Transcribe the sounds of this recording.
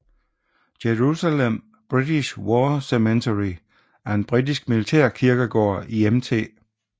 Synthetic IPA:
jeʁusælem̰ | b̥ʁid̥iɕwɒːsement͡sʰeʁi | æɐe̝nb̥ʁid̥isɡ̥̚milit͡sʰæ̰ɐ̰kʰiɐɡ̥əɡ̥ɒ̰ːiemt͡sʰe̝̰ː

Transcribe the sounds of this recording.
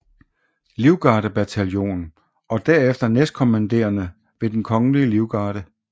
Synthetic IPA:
liʊɡ̥ɑ̈ːɾ̥əb̥æt͡sʰæljo̝̰ːn | ɒ̽d̥æɐ̰efd̥ɐnesd̥̚kʰo̝mænd̥e̝̰ːɐnə | ʋe̝d̥enkʰɒ̽ŋəliəliʊɡ̥ɑ̈ːɾ̥ə

